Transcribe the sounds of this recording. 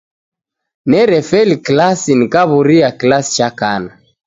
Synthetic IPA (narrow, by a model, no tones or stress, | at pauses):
nɛɾɛfɛliklasinikaβuɾiakilasi̥t͡ʃakana